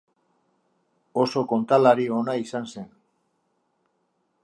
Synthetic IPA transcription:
oso̞ko̞nt̪alaɾio̞naisanse̞n

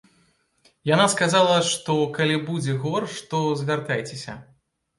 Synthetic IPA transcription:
janaskazalˠɐʂt̪ɔkalʲibud͡zʲɛɣɔrʂt̪ɔzʲvʲart̪ajt͡sʲesʲɐ̰

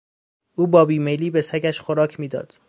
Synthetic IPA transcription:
ʔuːbɒːbiːmejliːbe̞sæɡæʃxoɾɒːcʰmiːd̪ɒ̰ːd̪̥

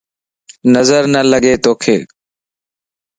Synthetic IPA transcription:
nəzəɾnələɡeːt̪oːkʰḛː

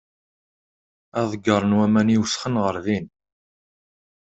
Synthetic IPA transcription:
æðˤəɡːəɾˤənwæmæniwəsχənʁəɾðin

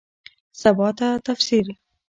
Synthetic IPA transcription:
sabɑt̪at̪afsiɾi

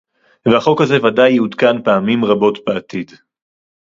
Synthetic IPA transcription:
veaχo̞khaze̞vadajud̪kanpaamimʁabo̞tbeat̪id

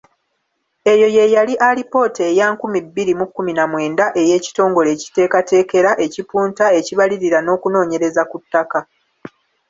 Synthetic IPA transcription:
e̞jo̞je̞jaliʔalipo̞ːteːjaːŋkumibːiɾimukːuminamwe̞ːndaʔe̞je̞ːci̥to̞ːŋɡo̞le̞ːci̥te̞ːkate̞ːke̞ɾaʔe̞cipuːntae̞ciβaliɾiɾano̞ːkuno̞ːɲe̞ɾe̞zakutːaka

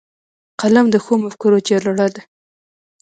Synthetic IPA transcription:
qalamd̪əxomafkʊɾot͡ʃɑɾlaɽɑd̪a

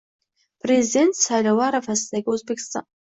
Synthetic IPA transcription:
pʰrezidentʰsalʲawaɾafastakʲʼozbekʲsa

